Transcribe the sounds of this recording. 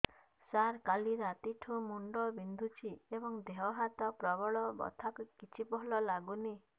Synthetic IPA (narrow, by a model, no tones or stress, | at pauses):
saɾkaliɾat̪iʈʰũmuɳɖɔbind̪ʱut͡ʃʰiebɔŋd̪eɦɔɦat̪ɔpɾɔbɔɭɔbɔ̰t̪ʰakukit͡ʃʰipɔɦɔlɔlaɡuni